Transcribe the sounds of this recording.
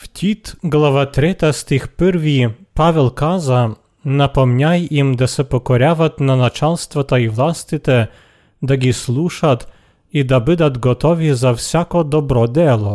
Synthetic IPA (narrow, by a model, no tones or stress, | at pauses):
ft̪ʲʰit̪ɡlˠaʋat̪ɾɛt̪ast̪ɪxpɨɾʋʲipaʋɛlˠkaza | napɔmnʲajimd̪asɛpɔkɔɾʲaʋat̪nanat͡ʃalˠst̪ʋat̪aiʋlˠast̪ɪt̪ɛ | d̪aɡʲislˠuʃat̪ | id̪abɪd̪at̪ɡɔt̪ɔʋʲizawsʲakɔd̪ɔbɾɔd̪ɛlˠɔ